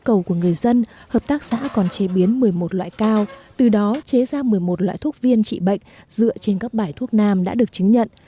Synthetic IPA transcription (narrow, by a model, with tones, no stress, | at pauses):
kə˨˩wku˧˩əŋɨ˨˩əjzə˧nhəː˨˩p̚t̪aː˦˥k̚sa̰ː˧˥kɔ˨˩nt͡ɕe˧˩ɓi˨˦ənmɨ˨˩əjmo˨˩t̚lwa̰ː˧˨jkaː˧wt̪ɨ˨˩ɗɔ˨˦t͡ɕe˨˦zaː˧mɨ˨˩əjmo˨˩t̚lwa̰ː˧˨jt̪ʰək̚vi˧ənt͡ɕḭ˧˨ɓə̰˧˨jŋ̟z̥ɨ̰˧˨ət͡ɕe˧nkaː˦˥k̚ɓaː˧˩jt̪ʰu˦˥ək̚naː˧mɗa̰ː˧˥ɗɨ˨˩ək̚t͡ɕɨ˨˦ŋɲə̰˧˨n